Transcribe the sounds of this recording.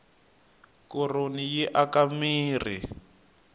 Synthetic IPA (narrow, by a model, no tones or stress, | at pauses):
kɔronijiʔakamiːri